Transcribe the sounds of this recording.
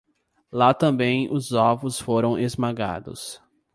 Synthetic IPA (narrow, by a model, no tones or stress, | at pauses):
lat̪ɐ̃bẽj̃ʊzɔvʊsfoɾɐ̃w̃ʔezmaɡa̰d̪ʊ̰s